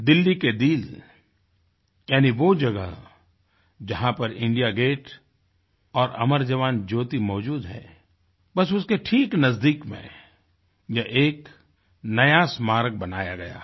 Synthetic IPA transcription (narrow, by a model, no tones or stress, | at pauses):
d̪ɪlːiked̪iːl | jaːniʋod͡ʒɐɡə̰ɦ | d͡ʒɐɦãpɐɾɪ̃ɳɖijaɡeːʈ | ɔːɾɐ̰məɾd͡ʒɐʋaːnd͡ʒoːt̪imɔːd͡ʒuːd̪ɦɛ̰ː | bɐsʊskeʈʰiːknɐzd̪iːkmḛ̃ | jɐʔeːk | nɐjasmaːɾɡ̚bɐnaːjaɡɐja̰ː